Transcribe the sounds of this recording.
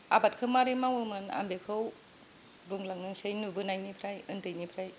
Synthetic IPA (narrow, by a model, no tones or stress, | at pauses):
abat̚kʰɯmaɾimawɯmɯna̰mbekʰɯw | buŋlaŋnɯŋsɯjnubɯnajnipʰɾajɯntɯjnipʰɾaj